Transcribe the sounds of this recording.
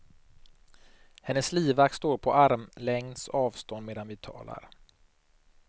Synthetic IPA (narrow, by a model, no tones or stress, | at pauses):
hɛnːəsliːvakt̪st̪oːɾpʰɔʔaɾmlɛŋnsɔɑːvst̪ɔnd̪meːd̪anvɪt̪ʰɑ̰ːla̰ɾ